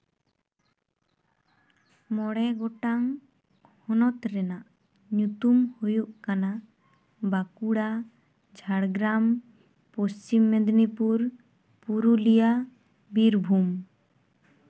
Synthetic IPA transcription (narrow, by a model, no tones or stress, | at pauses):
mɔɽɛɡɔʈaŋ | hɔnɔt̪ɾɛnaʔ | ɲut̪umhujuʔkana | bakuɽa | d͡ʒʱaɽɡɾam | post͡ʃimːɛd̪nipuɾ | puɾulija | biɾbʱum